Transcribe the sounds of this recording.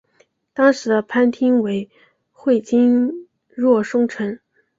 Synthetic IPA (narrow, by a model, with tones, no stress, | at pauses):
t̪ɑ˥ŋʂɻ̩˧˥d̪ə˧pʰa˥nt̪ʰi˥ŋwe˧˥ɪ | xwe˥˩ɪt͡ɕi˥n | ɻwɔ˥˩ʂʊ˥ŋʈ͡ʂʰɤ˧˥ŋ